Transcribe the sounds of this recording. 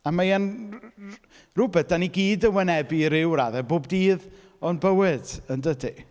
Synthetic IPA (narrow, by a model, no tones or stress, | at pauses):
amajan | rʊbɛtd̥aniɡiːdənwɛnɛbiɾɪwɾaðɛboːbdiːð | ɔnbəwɪdəndədi